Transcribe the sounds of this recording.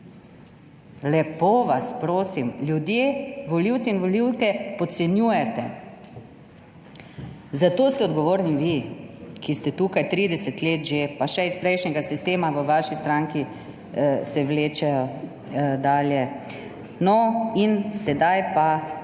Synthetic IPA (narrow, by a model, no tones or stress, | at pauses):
lɛpoːʋaspɾoːsimljud̪jeːʋɔliwt̪sɛinʋɔliwkɛpɔt̪sɛnjuːjɛt̪ɛ | zat̪oːst̪ɛɔd̪ɡɔʋoːɾniʋikist̪ɛt̪ukajt̪ɾiːd̪ɛsɛt̪leːt̪ʒepaʃɛispɾɛjʃnʲɛɡasist̪eːmaʋəʋaʃist̪ɾaːŋki | sɛʋleːt͡ʃɛjɔ | d̪aːljɛ | nɔinsɛd̪ajpa